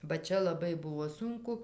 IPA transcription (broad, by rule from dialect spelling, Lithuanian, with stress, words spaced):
bɐ ˈt͡ʃʲɛ lˠɐˈbɐɪ ˈbʊʋoː ˈsʊŋkʊ